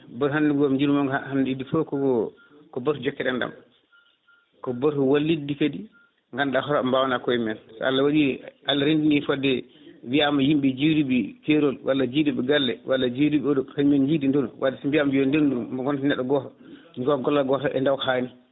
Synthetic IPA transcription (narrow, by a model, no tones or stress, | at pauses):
bɔɾhanduɡɡɔmd͡ʒiɾumɔŋɡhanidifɔkɔɔ | kɔbaɾud͡ʒɔkːɛɗɛnda̰m | kɔbɔɾuwalːidikadi | ŋɡanɗaɦɔɾɔmbawnakɔɛmɛnsɔ̰a̰lːawaɗiʔalːaɾindinifɔdɛ | wiamajimɓɛd͡ʒiwɾiɓikɛɾɔlwʔalːad͡ʒidibɛɡalːɛwalːad͡ʒiwɾiɓiɔdɔkaɲmɛnd͡ʒidindɔnwʔadɛsmbiamad͡ʒiɔndendumaɡɔntnɛɗːɔɡɔtɔ | ɲɡɔɡɔlːaɡɔtɔʔɛ̰ndawhaːni